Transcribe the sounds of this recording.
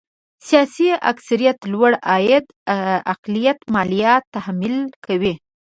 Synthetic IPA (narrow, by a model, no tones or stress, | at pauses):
sijɑsia̰ksaɾijat̪lwaɽɑjɪd̪ | aqlijat̪mɑlijɑt̪ːahmilkawi